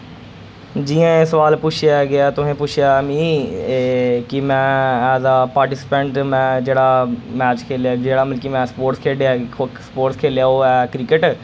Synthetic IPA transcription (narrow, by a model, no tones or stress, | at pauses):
d͡ʒiːãːesəʋaːlpʊt͡ʃʰjaːɡɪaːt̪ʊɦẽːpʊt͡ʃʃʰjaːəmĩː | kɪmɛ̃ːɛːzaːpaːɾʈɪsɪ̥pɛ̃ɳʈmɛ̃ːd͡ʒeːɽaːmɛːt͡ʃkʰeːljaːd͡ʒeːɽaːmɪlkiːmɛ̃ːspoːɾʈskʰeːɖejaːspoːʈskʰeːljaːoːɛːkɾɪkəʈ